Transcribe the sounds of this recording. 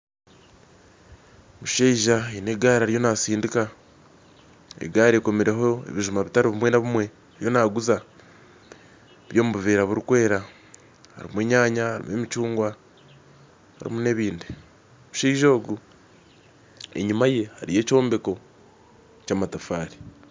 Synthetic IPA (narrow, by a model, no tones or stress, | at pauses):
muʃeiʒaene̞ɡaːɾaɾijo̞nasiːndika | ḛɡaːɾeko̞meɾe̞ɦoḛβiʒumaβitaɾiβumwe̞naβumwe̞ | aɾijo̞naːɡuza | βjo̞ːmuβuveːɾaβuɾikwe̞ːɾa | a̰ɾḭmweːɲaːɲahaɾḭmwemit͡ʃuːŋɡwa | ha̰ɾḭmune̞βiːnde | muʃeiʒoːɡu | ḛɲumaje̞haɾije̞ːco̞ːmbe̞ko̞ | caːmatafaːɾi̥